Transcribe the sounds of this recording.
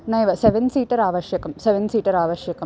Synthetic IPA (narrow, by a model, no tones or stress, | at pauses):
nɐjʋɐseʋɐnsiːʈːɐɾaːʋɐɕjɐkːɐmseʋɐnsiːʈːɐɾaːʋɐɕjɐkːɐm